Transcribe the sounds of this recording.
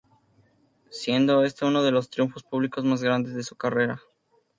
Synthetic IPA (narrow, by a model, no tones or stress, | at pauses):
sje̞nd̪o̞e̞st̪euno̞ð̞e̞lo̞st̪ɾijuɱfo̞spuβliko̞zmazɣɾand̪e̞zðe̞sukare̞ɾa